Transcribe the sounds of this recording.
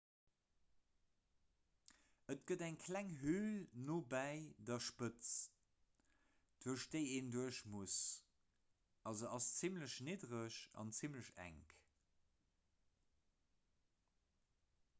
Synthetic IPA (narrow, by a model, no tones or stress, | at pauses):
ətɡ̥ədæŋkʰlæŋɦylnoːbæɪdɐʃpət͡s | d̥uɐʃd̥əɪeːnduəʃmus | ʔɑzoɑst͡simləɕnedʁəʃɑ̰nt͡simləɕæ̰ŋk